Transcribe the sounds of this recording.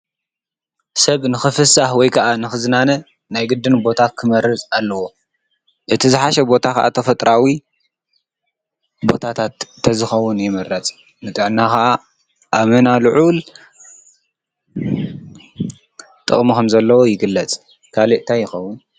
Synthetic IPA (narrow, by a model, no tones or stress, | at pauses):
sɐβnɨxɨfɨsahwɔjkʰɐʔanɨxɨzɨnanɐ | najɡɨd̪ːɨnbo̞t̪ʰakʰɨmɐɾɨt͡sʼalːɐwo̞ | ʔɨt̪ʰizɨħaʃɐbo̞t̪ʰaka̰ʔa̰t̪ʰɐfɐt̪ʼɾawi | bo̞̰t̪ʰat̪ʰat̪ʰː | ɐzɨxɐwːʊnjɪmɐɾɐt͡sʼ | nɨt̪ʼɨʕnaxaʔa | ʔamɐnalɨʕul | t̪ʼɨ̰χʼmikʰɐmzɐlːɐwojɪɡɨlːɐt͡sʼ | kʰaliʔt̪ʰajɪxɐwːʊn